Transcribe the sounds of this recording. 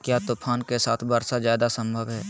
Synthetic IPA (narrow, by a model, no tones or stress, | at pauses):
kjaːt̪oːpʰaːnkesaːt̪ʰbəɾsazjaːd̪asə̃mbʱəʋɦɛː